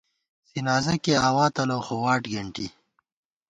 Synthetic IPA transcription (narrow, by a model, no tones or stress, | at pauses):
sinaːzɐkeaːwaːt̪ɐloxowaːʈɡɐɳʈḭ